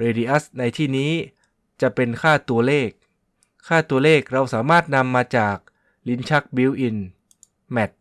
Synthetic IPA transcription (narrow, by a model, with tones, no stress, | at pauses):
ɾeː˧diː˧ʔa˦˥sna˧jt̪ʰiː˥˩niː˦˥ | t͡ɕa˨˩pe˧nkʰaː˥˩t̪u˧ɐleː˥˩k̚ʰː | aː˥˩t̪u˧ɐleː˥˩k̚ɾa˧wsaː˩˦maː˥˩t̪̚na˧mːaː˧t͡ɕaː˨˩k̚ | li˦˥nt͡ɕʰa˦˥k̚bi˦˥wʔi˧n | mɛ˦˩t̪̚